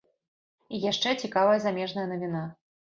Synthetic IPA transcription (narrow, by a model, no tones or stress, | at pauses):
ijaʂt͡ʂɛt͡sʲikavɐjɐzamʲɛʐnɐjɐnɐvʲina